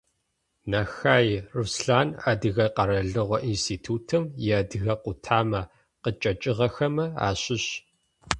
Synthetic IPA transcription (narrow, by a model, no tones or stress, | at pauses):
naxaːjrusɬaːnadɨɣɐqɐɾɐɮɨʁʷɔʔinstʰiːtʰuːtʰɨmjɛdɨɣɐqʷʊtʰaːmɐ | qət͡ʃʼɐt͡ʃʼɪʁɐxɐmɐa̰ːɕɪɕ